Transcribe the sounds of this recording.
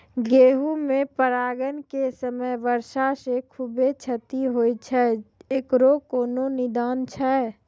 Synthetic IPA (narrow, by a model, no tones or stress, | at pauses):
ɡeːɦumẽpəɾaːɡənkesəməjʋəɾʃasekʰubet͡ʃʰət̪iɦoːit͡ʃʰɛeːkɾokoːnonɪd̪aːnt͡ʃʰɛː